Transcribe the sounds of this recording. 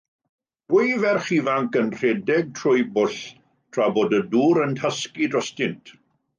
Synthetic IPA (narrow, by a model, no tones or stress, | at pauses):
d̥wʊjvɛrχivaŋkənr̥ɛdɛɡ̚tʰrʊɨbʊɬ | tʰrabodəduːɾəntʰaskidrɔstɪntʰ